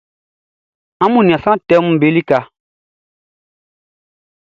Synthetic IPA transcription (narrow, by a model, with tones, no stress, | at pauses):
ã˦mũ˨nĩ˨ã˨sã˦˨tɛ˦mũ˨be˨˦li˦ka˨